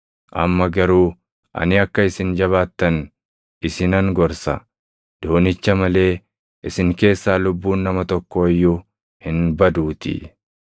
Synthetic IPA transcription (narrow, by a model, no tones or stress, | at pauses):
ʔɐ̰mːɐɡɐɾuː | ʔɐ̰nɪɐkːɐɪsɪnd͡ʒɐβaːt̪ːɐn | ɪsɪnɐŋɡɔɾsɐ | d̪̥oːnɪt͡ʃːɐmɐle̞ː | ʔɪsɪŋke̞ːsːaːlʊbːuːnːɐmɐt̪ɔkːoːjːʊ | hɪnbɐd̪uːt̪ɪ̰